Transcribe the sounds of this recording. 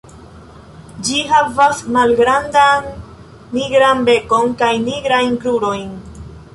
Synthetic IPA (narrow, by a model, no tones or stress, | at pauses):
d͡ʒiɦavasmalɡɾandanː | iɡɾanbe̞ko̞nkajniɡɾajnkɾuɾo̞jn